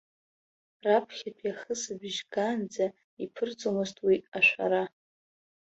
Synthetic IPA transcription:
rapʰχʲapʰjaχəsabɪʒɡand͡za | ipʰɨrd͡zʼomɨztʼwiaʃʷa̰ɾa

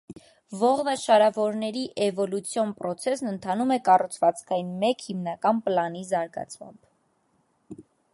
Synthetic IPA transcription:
vɔʁvəʃɑɾɑvɔɾnɛɾiʔɛvɔlut͡sʰjɔnpɾɔt͡sʰɛsnənt̪ʰɑnumɛkɑrut͡sʰvɑt͡skʰɑjinmɛkhimnɑkɑnpəlɑnizɑɾɡɑ̰t͡sʰmɑ̰mb̥

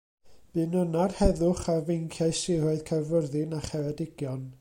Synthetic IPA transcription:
b̥ɨːnʊnarhɛðʊχavejŋkʰjaɨsɪrɔɨðkʰavʊrðɪnaχɛvɛdɪɡ̥jɔn

